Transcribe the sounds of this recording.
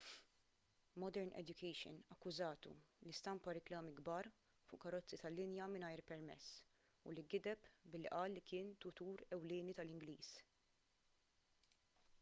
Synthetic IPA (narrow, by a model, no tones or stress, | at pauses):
mɔd̪ɛɾnʔɛ̰d̪jʊkʰɛjʃɔ̰nɐkːʊzɐːt̪ṵlist̪ɐmpɐɾɪklɐːmiɡbɐːɾ | fʊ̰ʔkɐɾɔt͡sːit̪ɐlːɪnjɐmɪnɐjɾpɛɾmɛ̰sː | ʊ̰liɡɪd̪ɛpbɪlːiʔɐːlːikɪːnt̪ʊt̪uːɾɛwlɪːnit̪ɐlɪŋɡliːs